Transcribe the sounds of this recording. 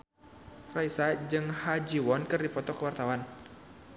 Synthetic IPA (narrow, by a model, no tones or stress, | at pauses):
raisad͡ʒɨŋhad͡ʒiwɔnkɨrdipɔt̪ɔkəwart̪awan